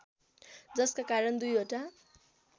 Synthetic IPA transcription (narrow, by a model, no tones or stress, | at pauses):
d͡zʌskakaɾʌnd̪ujoʈa